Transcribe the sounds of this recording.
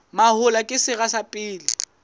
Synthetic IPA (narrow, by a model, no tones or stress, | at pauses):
mahʊlakʼɪsɪɣasapʼɪːlɪ